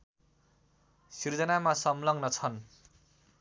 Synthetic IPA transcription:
sird͡zʌnamasʌmlʌŋɡnʌt͡sʰʌn

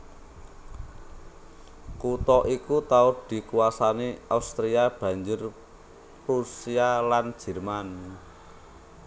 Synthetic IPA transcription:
kut̪ɔʔikut̪aʊd̪̥i̤kuasaniʔaust̪ɾiab̥ä̤ɲd͡ʒʊr | rusialan̥ʒ̥ɛ̤rman

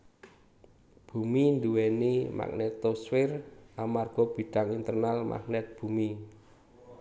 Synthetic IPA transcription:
b̥ṳmind̪uwɛnima̰k̚nɛt̪oswɪrʔamarɡ̥ɔb̥i̤ɖ̥a̤ŋint̪ərnalmʔa̰k̚nɛt̪̚b̥ṳmi

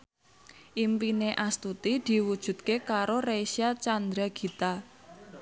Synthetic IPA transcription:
ʔimpineʔast̪ut̪id̪̥i̤wud̥ʒ̥ṳt̪̚kekaɾoreʃiat͡ʃand̪ɾaɡ̥i̤t̪a

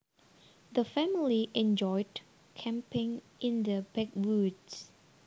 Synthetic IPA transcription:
dəfɛmiliʔɛ̃nd͡ʒɔɪd | kʰɛ̃mpɪ̃ŋʔĩndəbɛk̚wuds

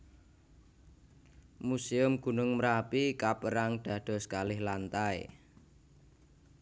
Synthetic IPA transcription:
museʊmɡ̥ṳnʊŋməɾapikapəɾaŋɖ̪̥ä̤d̪̥ɔ̤skalɪhlant̪aḛ

